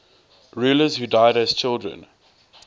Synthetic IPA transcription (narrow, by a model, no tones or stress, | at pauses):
ɹuːləzhudaɪɾæz̥t͡ʃʰɪlˠdɹə̰̃n